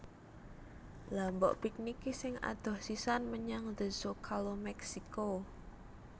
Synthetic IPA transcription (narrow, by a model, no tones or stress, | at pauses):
lambɔ̰ʔpik̚nikisɪŋa̰d̪̥ɔ̤hsisanməɲaŋd̪əsokʰalomɛksiko